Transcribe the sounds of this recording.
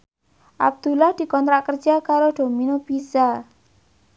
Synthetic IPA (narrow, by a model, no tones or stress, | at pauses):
ʔa̰b̚d̪̥ṳlahd̪̥i̤kɔnt̪ɾaʔkərd̥d͡ʒ̥akaɾoɖ̪̥o̤minob̥isa